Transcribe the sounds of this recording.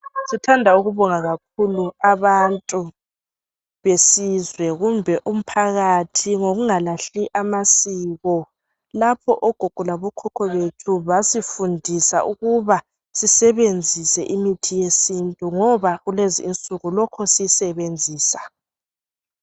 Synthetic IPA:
sitʰandʱauɣuβɔŋaɣak̚ʰuluaβantʼu | βesizwɛɣumbʱɛʔum̩pʰaɣatʰiŋoɣuŋalaɬiʔamasiːɣɔ | lapʰɔʔɔɡ̥ʱuɡ̥ʱulaβɔkʰɔkʰɔβetʰuβasifundʱisa̰uɣuβa | sisɛβend͡zʱisɛʔimitʰijesintʼuŋɔβaɣuleziːnt͡sʼuɣulɔkʰɔsijsɛβend͡zʱiːsa

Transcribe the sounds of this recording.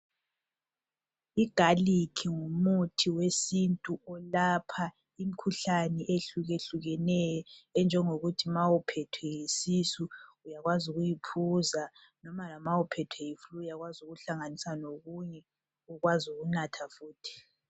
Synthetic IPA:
iɡ̥ʱalikʰiŋumutʰiwesintʼuɔlapʰa | im̩kʰuɬanɛʔeɬuɣeɬuɣɛnɛjɔɛnd͡ʒʱɛŋoɣutʰimawupʰɛtʰwɛjisisuujaɣwazuɣujipʰuza | nɔmalamawupʰɛtʰwɛjiflujaɣwazuɣuɬaŋanisanoɣuɲɛ | uɣwazuɣunatʰafuːtʰi̥

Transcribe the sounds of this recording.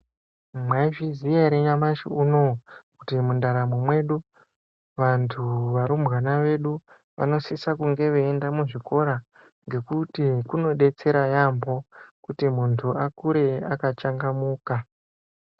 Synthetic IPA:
mwaivizijaɾeɲamaʃḭuno̞kutimundaɾamomwe̞ɗu | ʋantʰuʋaɾumɣanaʋe̞ɗu | ʋa̰no̞sisakuŋɡe̞ʋeːndamuʐiko̞ɾa | ŋɡe̞kutikuno̞ɗe̞t͡se̞ɾajambo̞kutimuntʰuakuɾe̞akat͡ʃaŋɡamuːka

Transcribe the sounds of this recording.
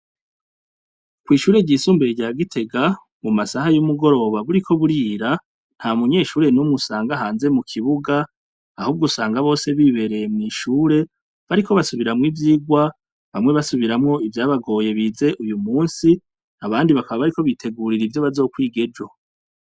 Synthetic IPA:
kwiːʃuːɾe̞ɟiːsuːmbeɾeɟaːɡitʰe̞ɡa | mumasahajumuɡo̞ɾo̞βaβuɾikʰo̞βuɾiːɾa | n̥hamuɲe̞ːʃuːɾe̞numŋusaːŋɡaɦaːnze̞mukʰiβuɡa | ahuːb̚ɡusaːŋɡaβo̞ːse̞βiβe̞ɾe̞jemŋiːʃuːɾe̞ | βaɾikʰo̞βasuβiɾamŋiːvjiːɡwa | βamŋe̞βasuβiɾamŋo̞ivjaːβaɡo̞ːje̞βiːze̞ʔujumuːnsi | aβaːndiβakaβaβaɾikoβitʰe̞ɡuɾiɾivjo̞βazo̞ːkwiːɡe̞d͡ʒo̞

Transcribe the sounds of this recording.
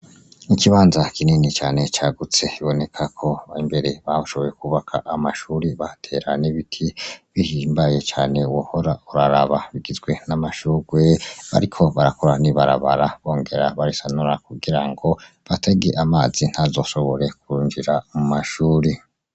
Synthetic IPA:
nikiβaːnzakininit͡ʃaːne̞t͡ʃaɡut͡se̞iβo̞ne̞kʰakʰo̞imbe̞ɾe̞βahoʃo̞βo̞je̞kuβakʰaʔamaʃuːɾiβatʰe̞ɾaniβitʰiβihimbaje̞t͡ʃaːne̞wohoɾauɾaɾaβaβiɡizɡwe̞namaʃuɡwe̞βa̰ɾikʰo̞βaɾako̞ɾaniβaɾa̰βa̰ɾaβo̞ːŋɡe̞ɾaβaɾisanuɾakuɡiɾaŋɡo̞ | βatʰe̞ɡeʔamaːzin̥hazo̞ːʃo̞βo̞ɾe̞kuɾuːnd͡ʒiɾamumaʃuːɾi

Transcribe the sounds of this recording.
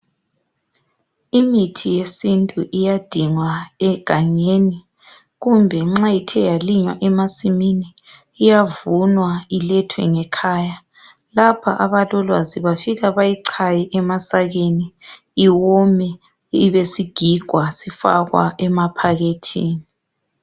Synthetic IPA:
imitʰijesintʼuʔijad̥ʱiŋwaɛɡ̥ʱaɲeːni | ɣumbʱɛŋ͡ǁajitʰɛjaliɲwa̰ʔɛmasiminiː | javunwailɛtʰwɛ̰ŋɛkʰaːja | lapʰa̰ʔaβalɔlwa̰ziβafiɣaβajiǀʰajɛʔɛmasaɣeniː | wɔmɛ | iβesiɡ̥ʱiɡ̥ʱwasifa̰ɣwa̰ʔɛmapʰaɣetʰiːni

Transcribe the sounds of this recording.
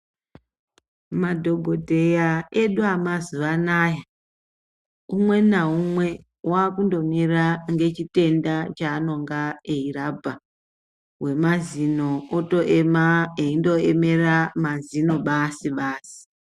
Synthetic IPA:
madʱo̞ɡʱo̞dʱe̞jaeɗuamaziʋanaːja | umwe̞naumwe̞ | wakundo̞miraŋɡe̞t͡ʃite̞ndat͡ʃaːno̞ŋɡaeirabʱa | we̞mazino̞oto̞ʔemaeindo̞eme̞ramazino̞ɓasiɓaːsi̥

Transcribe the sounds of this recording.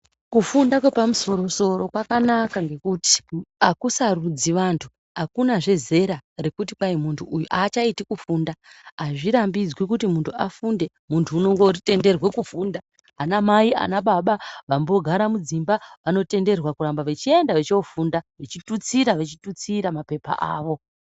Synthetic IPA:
kufundakwepamuso̞ɾo̞so̞ro̞kwakanakaŋɡe̞kuti̥akusarud͡ziʋantʰu̥ | ɦakunaʐe̞ze̞ɾarekut̬ipaimuntʰuʔːjuʔaːt͡ʃaitikufuːndaaʐiɾambid͡zwik̬utimuntʰuafunde̞ | muntʰuːno̞ŋɡourite̞nde̞rwe̞kufuːnda | ɦanamaia̰naɓaɓaʋambo̞ɡʱaɾamud͡zimbaʋano̞te̞nde̞rwakurambaʋe̞t͡ʃie̞ndaʋe̞t͡ʃeufundaʋet͡ʃitut͡siɾaʋe̞t͡ʃitut͡siɾamape̞pa̰ʔa̰ːʋo̞

